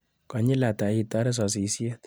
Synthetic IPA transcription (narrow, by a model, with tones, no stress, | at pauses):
kɔ˨ɲi˦la˨ta˨˦i˨tɔ˦ɾɛ˦s̬ɔ˨s̬i˨˦sje˦t